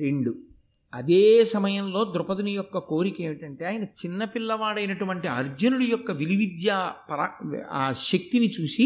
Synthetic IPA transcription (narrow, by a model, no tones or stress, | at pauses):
ɾe̞ɳɖu | ɐd̪eːsɐmɐjɐmlo̞ːd̪ɾʊpɐd̪unɐjɔkːɐko̞ːɾikeːʋiʈɐɳʈe̞ːaːjiɐnɐt͡ʃinːɐpilːɐʋaːɽɐjnɐʈuʋɐɳʈiɐɾd͡ʒɐnuɽujɔkːɐʋiliʋid̪jaːpɐɾɐaːʃek̚t̪init͡ʃuːsi